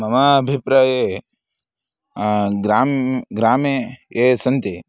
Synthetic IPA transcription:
mɐmabʱipɾɐe | ɡɾaːmɡɾaːmeesɐnt̪e

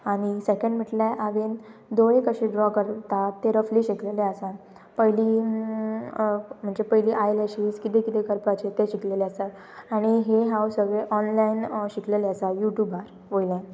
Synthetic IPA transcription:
aɽ̃isekə̃ɳɖm̤əʈlaʔaʋend̪ojẽkəɕeɖɾɔkəɾt̪at̪ːeɾəfliːɕikleleəsa | pəjli | m̤əɳd͡zepəjliːʔajlaɕiskit̪ẽkit̪ekəɾpat͡ɕet̪eɕikleleasa | aɽ̃iɦeɦãwsəɡeʔɔnlainɕikleleasajuʈjubaɾ | ʋojlẽ

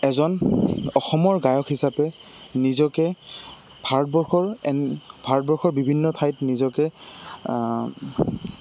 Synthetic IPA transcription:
ɛzɔnɔxɔmɔɹɡajɔkʰhisapɛ | nizɔkɛ | bʱaɹɔt̚bɔɹxɔɹɛb̥ʱaɹɔt̚bɔɹxɔɹbibʱinːɔtʰajtnizɔkɛ

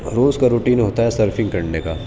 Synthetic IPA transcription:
ɾoːzkaɾuːʈiːnɦoːt̪aɦɛsɐɾfɪ̃ŋɡkɐɾneka̰ː

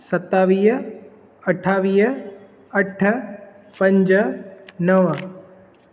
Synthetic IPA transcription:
sɐt̪ːaːʋiːɦ | ɐʈʰaːʋiːɦ | əʈʰ | pɐ̃ɲd͡ʒ | nəʋə

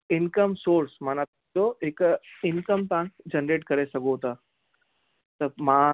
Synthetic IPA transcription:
inkəmsoɾsmana | oekinkəmpãŋkd͡ʑənɾeʈkəɾesəɡoɦt̪a | t̪əma

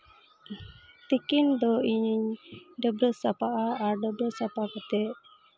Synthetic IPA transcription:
t̪ikind̪ɔiɲiɲdəbɾəsapaʔaaɾɖəbɾəsapakət̪ɛʔ

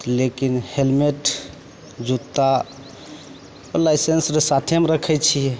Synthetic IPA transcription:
lekinhelmeʈ | d͡ʒut̪ːa | olajsensɾesat̪ʰemeɾəkʰɛt͡ʃʰiɛ

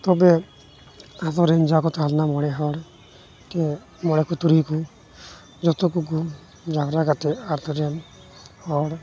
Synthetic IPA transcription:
t̪ɔbɛ | at̪ɔɾɛnd͡ʒakɔt̪alnamɔɽɛɦɔɽ | t̪e | mɔɽɛkut̪uɾiku | d͡ʒɔt̪ɔkuk̬u | d͡ʒaɾaɡat̪ɛat̪ɔɾɛn | hɔɽ

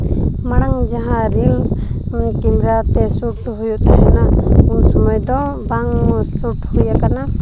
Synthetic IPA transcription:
maɽ̃aŋd͡ʒaɦãɾim | kimɾat̪ɛsuʈɦujut̪ʰɛɦɛnaunsɔmɔjd̪ɔ̃baŋsuʈhujakana

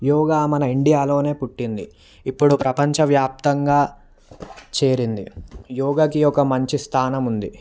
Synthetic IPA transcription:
jɔːɡaːmɐnɐiɳɖijaːlo̞ːne̞ːpuʈːind̪i | ipːuɽupɾɐpɐɲt͡ʃɐʋjaːp̚t̪ɐŋɡaː | t͡ʃe̞ːɾind̪ijɔːɡɐkiɔkɐmɐɲt͡ʃist̪ʰaːnɐmund̪i

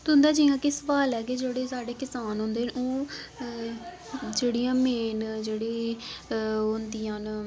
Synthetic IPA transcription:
t̪ʊnd̪aːd͡ʒĩːãːkɪsəʋaːlɛːked͡ʒeːɽeːsaːɖeːkɪsaːnɦʊ̃nd̪eːnoː | d͡ʒeːɽijãːmeːnd͡ʒeːɽeː | ɦʊnd̪iːãːn

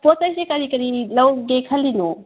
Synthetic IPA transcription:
posajsekɐɾikɐɾilɐwɡekʰɐlːino

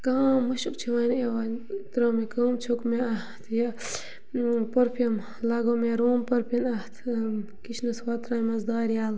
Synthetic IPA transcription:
kaːmːɐʃukt͡ʃʰiʋaːneʋaːnt̪ɾoːmikəːmt͡ʃʰokmeaht̪ʰjɐ | pɐɾpʰijɐm | laːɡoːmeɾoːmpɐɾpʰinɐt̪ʰ | kit͡ʃʰnɐsʋaːt̪ɾaːnmɐsd̪aːɾijaːl

